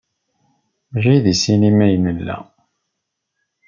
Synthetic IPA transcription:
mʒijðisinimæjnəlːæ̰

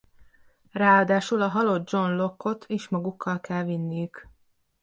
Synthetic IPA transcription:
raːɒd̪aːʃulɒɦɒlo̞d̪̚d͡ʒo̞nlo̞kʰːo̞t̪ʰeːʃmɒɡukːɒlkɛlvinːijyk

